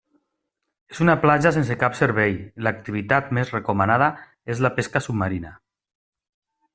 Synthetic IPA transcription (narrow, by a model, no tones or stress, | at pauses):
ezunaplaʒas̬ensekapseɾβɛjlak̚t̪iβit̪at̪̚mezrekomanað̞a | ezlapeskasubmaɾina